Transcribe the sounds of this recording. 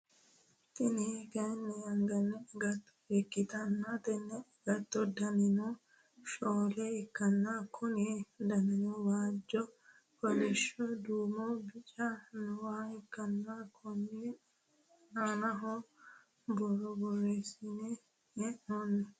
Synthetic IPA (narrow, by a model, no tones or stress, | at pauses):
t̪ɪnɛɡɐnːɛɐŋɡɐnːɛɡɐt̪ːɔ̥ɛkːɪt̪ɐnːɐt̪ɛnːɛɡ̥ɐt̪ːɔd̪ɐnɪnɔ | ʃoːlɛɛkːɐnːakʰʊnid̪ɐnɪnɔwaːd͡ʒːɔ | kɔnɛʃɔd̪uːmɔbɪt͡ʃɐnʊwaːɛkːɐnːakʰʊnɪ | nanɐɦɔ | bɔɾɔbɔrːesinɛ | ɛonːɛ